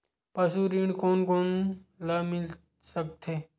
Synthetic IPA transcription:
pɐsuɾiɳkoːnkoːnlamɪl | sək̚t̪ʰeː

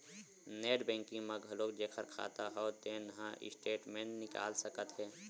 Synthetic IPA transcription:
neːʈbɛ̃ːŋkɪ̃ŋməɡʱəloːkd͡ʒeːkʰəɾkʰa̰ːt̪aɦɛːt̪enɐɦãʔɪ̰sʈeːʈmẽʈnɪka̰ːlsəkət̪ɦɛː

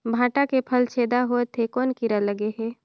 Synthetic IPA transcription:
bʱaːʈakepʰəlt͡ʃʰeːd̪aɦoet̪ʰːekɔːnkiɾələɡeɦɛː

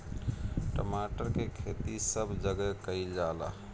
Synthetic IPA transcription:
ʈəmaʈəɾkekʰet̪isəbʱd͡ʒəɡəkəild͡ʒala̰

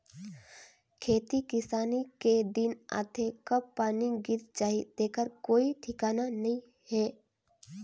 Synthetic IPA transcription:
kʰeːt̪ikɪsaːniked̪ɪna̰ːt̪ʰekɐbːaːniɡɪɾt͡ʃaːɦid̪eːkʰəɾkoːiʈʰɪkaːnanɐɦĩ | hɛː

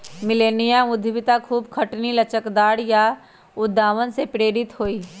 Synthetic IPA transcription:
mɪleːnijamʊd̪ʱʋɪt̪akʰuːbkʰəʈnilɐt͡ʃəkd̪aːɽja | ʊd̪ʱːaːʋənsepɾeːɾɪt̪ɦoːiː

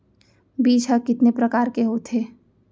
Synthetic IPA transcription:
biːt͡ʃɦəkɪt̪nepɾɐkaːɾkeɦoːt̪ʰeː

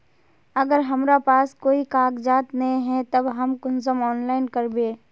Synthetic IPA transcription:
ɐɡəɾɦɐmɾapaːskoːikaːkd͡ʒaːt̪nɐĩɦɛ̃t̪ɐbɦɐmkʊnsəmɔːnlaːɪnkɐɾbeː

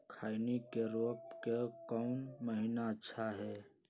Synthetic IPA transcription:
kʰaːɪnikeɾoːpkekɔʊnməɦinaətːʃʰaɦɛː

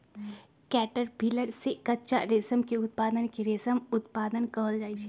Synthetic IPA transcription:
kɛːʈəɾbʱiləɽsekɐtːʃaɾeːsəmkeʊt̪̚paːd̪ənkeɾeːsəmʊt̪paːd̪ənkɐɦəld͡ʒaːit͡ʃʰɛ

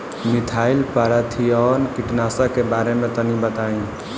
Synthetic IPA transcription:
mit̪ʰailpaɾət̪ʰiɔnkiʈnasəkebaɾemẽt̪ənibət̪aĩ

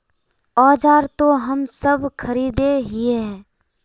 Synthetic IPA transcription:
ɔːd͡ʒaːɾt̪oɦɐmsəbʱkʰɐɾiːd̪eɦieɦɛː

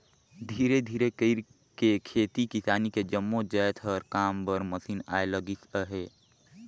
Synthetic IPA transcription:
d̪ʱiːɾed̪ʱiːɾekəɪɾ | kekʰeːt̪ikisaːniked͡ʒəmːod͡ʒəjt̪ʰəɾkaːmbəɾməsiːna̰eləɡisəɦe

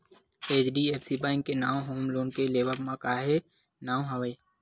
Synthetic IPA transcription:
eːt͡ʃɖieːpʰsibãːɪŋkːenaːwɦoːmloːnkeleːbəpmãkaːɦe | naːw̃ɦəʋəi

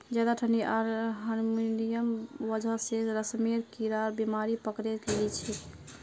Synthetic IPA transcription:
d͡ʒad̪aʈʰəniaɾɦənminijəmʋəd͡ʒʱəseɾəsmeɾkiɾaɾbimaɾipəkɾet̪llit͡ʃʰi

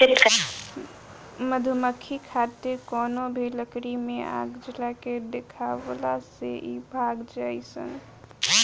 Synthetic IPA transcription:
eɾik | məd̪ʱuməkʰːikʰat̪iɾkɔnobʱiləkɾimeʔa̰ɡd͡ʒəlaked̪ekʰaʋlaseʔibʱaɡd͡ʒajsə̰ŋɡ

